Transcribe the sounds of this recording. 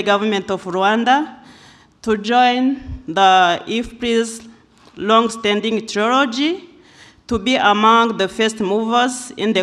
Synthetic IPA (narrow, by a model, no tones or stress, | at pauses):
əɡavəmɛ̃ntɔvɹuãnda | tud͡ʒɔ̃ɪ̃nðəifpɹiz | lɔ̃ŋstɛ̃ndĩŋtʰɹɔlɔd͡ʒi | tubiʔəmãŋðəfɛstmuvəzḭ̃nðə